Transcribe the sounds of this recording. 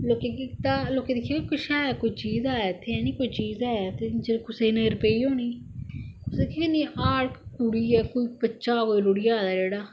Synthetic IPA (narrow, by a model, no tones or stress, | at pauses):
loːkẽːkit̪aːloːkẽːd̪ɪkʰijaːkikʊʃaːaːkoit͡ʃiːzaːɛːt̪ʰːeːɛːnĩːkoit͡ʃiːzaːat̪eːd͡ʒekʊseːnəɡəɾpeːiːɦoːniː | ʊsd̪ekʰekəniːʔaːɽkkʊɽiːɛːkoːiːpəːt͡ʃaːkoːiːɾoːɽijaːd̪aːd͡ʒeːɽaː